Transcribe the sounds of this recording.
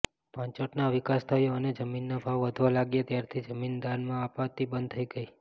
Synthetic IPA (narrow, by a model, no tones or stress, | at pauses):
pãɲt͡ʃoʈnaʋɪkast̪ʰajoəned͡ʒəminːabʱaʋːəd̪ʱʋalaɡjet̪jaɾt̪ʰid͡ʒəmind̪anmãːpat̪ibənd̪̚ʱt̪ʰəiɡəi